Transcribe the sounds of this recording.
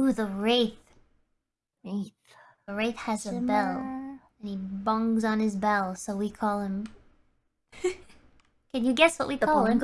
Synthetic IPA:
uðəɹeɪθ | θ | əɹeɪθhɨzɨbɛlˠ | ɨ̃nibʌ̃ŋzn̩ɨzbɛlˠsoʊwikʰɔlˠɪ̃m | kɨ̃njɨɡɛswʌʔwikʰɔl̃ˠm

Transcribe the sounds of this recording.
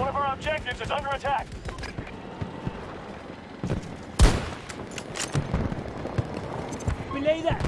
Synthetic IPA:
ʌɾɛvə˞ãɪ̃mt͡ʃʰẽɪ̃nd͡ʒɪ̃zɨzʌ̃ndə˞ɨtʰæk̚ | wileɪðæ

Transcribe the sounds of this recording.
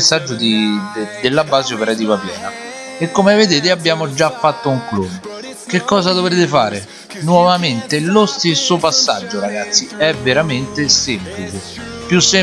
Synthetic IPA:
sːad͡ʒːʊd̪id̪d̪elːabːaːzeopeɾat̪iːvapjɛ̰ːnaekːomeved̪eːt̪ɪabːjaːmod͡ʒafːat̪ːouŋklun | k̟ekːɔːzad̪ovɾeːt̪ɪfaːɾe | nwɔvament̪elost̪esːopasːa̰d͡ʒːoɾaɡat̪sːiɛvːeɾament̪esemplit͡ʃe | pjusːe

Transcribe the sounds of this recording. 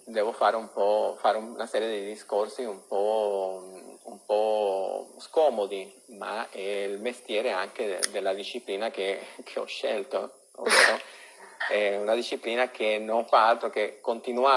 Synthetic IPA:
d̪ɛːvofaːɾeumpɔfaːɾeumunasɛːɾjed̪id̪iskorsiumpɔ | ṵmpɔ | skɔːmod̪i | maɛilmest̪jɛːɾeaŋked̪elːad̪iʃːipliːnakekʰeɔ̰ʃːɛlt̪o | o̰vːeːɾo | ɛunad̪iʃːipliːnak̟enoɱfaalt̪ɾokekːont̪inua

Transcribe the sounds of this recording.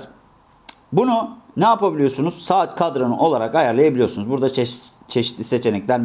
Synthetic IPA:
bununɛapabilʲijo̞sunuz̥saːt̪kʰad̪ɾanɯʔo̞lˠaɾakajaɾlˠajabilʲijosunuzbuɾd̪a | t͡ʃʰe̞ʃit̪lʲise̞t͡ʃʰe̞nɛclʲæɾ

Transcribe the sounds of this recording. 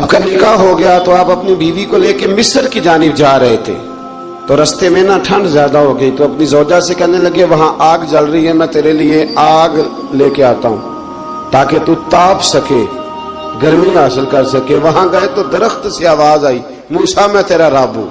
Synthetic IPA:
ɐb̚kanɪkaɦoɡɐjat̪oaːpɐpnibiːʋikoleːkemɪsəɾkid͡ʒaːnɪbd͡ʒaːɾɐɦet̪ʰḛː | t̪oːɾɐst̪emẽnaʈʰə̃ɳɖzjaːd̪aɦoːɡəiːt̪oɐpnizɔːd͡ʒasekɛɦnelɐɡeʋɐɦãʔaːɡd͡ʒəlɾɐiɦɛmɛ̃t̪eːɾelɪeaːɡ | leːkeaːt̪aːɦṵ̃ː | t̪aːket̪ut̪aːpsɐkeː | ɡəɾmĩɦaːsɪlkɐɾsɐkeʋɐɦãɡɐet̪od̪ɐɾəxt̪seaːʋaːzaːiː | muːsamɛ̃t̪eːɾaɾaːbɦṵ̃ː

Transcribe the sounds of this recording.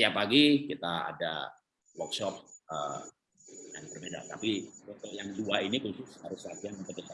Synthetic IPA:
siapaɡikit̪aa̰da̰ | wɔksɔp̚ə | jaŋbərbeda̰t̪apit͡ʃɔt̪ɔjaŋduainikusʊshaɾʊsat̪iannukəsa

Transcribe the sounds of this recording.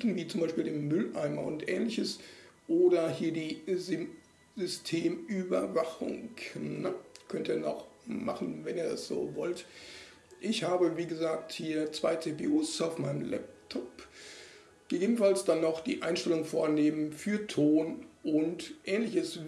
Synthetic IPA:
tn̩viːt͡sʊmbaɪʃpiːldeːmːʏlʔaɪmɐ̰ʊ̰ntʔɛ̰ːnlɪçəsʔoːdɐhiːɐdiːzɪ | zʏstʰeːmybɐvaχʊ̰ŋnəkʰœntiːɐnɔ̰χmaχn̩vɛniːɐdasz̥o̰ːvɔlt | ʔɪçhaːbəviːɡəzaːk̚thiːɐt͡sv̥aɪt͡seːpeːʔuːsaʊfmaɪnəmlɛ̰p̚tʰɔp | ɡ̥əɡeːbn̩falsd̥anːɔχd̥ḭːʔaɪnʃtɛlʊŋfoːɐneːmənfyːɐtʰoːnʔʊntʔɛːnlɪçəs

